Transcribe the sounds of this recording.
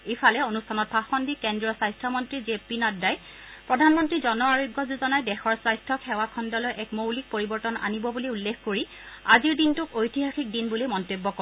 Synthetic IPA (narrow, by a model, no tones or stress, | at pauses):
efʰalɛonustʰanɔt̚pʰaxɔndikendɹiɔsajstʰɔmɔntɹizepinadːaj | pɹɔdʱanmɔntɹizɔnɔaɹoɡːɔzuzɔnajdɛxɔɹsajstʰɔkʰɛwakʰɔndɔlɔjʔɛkmowlik̚poɹibɔɹtɔna̰nibɔbuliulːekʰkoɹi | aziɹdintʊkojtiɦaxik̚dinbulimɔntebːɔkɔ